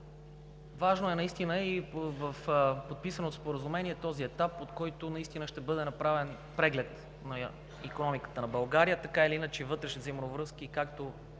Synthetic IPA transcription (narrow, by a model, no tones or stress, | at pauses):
vaʒnoɛnɐist̪inəivəfpot̪̚pisənot̪ospoɾəzumɛniɛt̪ɔziɛt̪apot̪kɔjt̪onɐist̪inəʃt̪ɛbɤd̪ɛnɐpɾavɛn | pɾɛɡlɛt̪ | nɐ | ikonɔmikə̥t̪ənɐbɐlˠɡaɾijət̪ɐkailiinət͡ʃɛvɤt̪ɾɛʃnizimnovɾɤskikakt̪o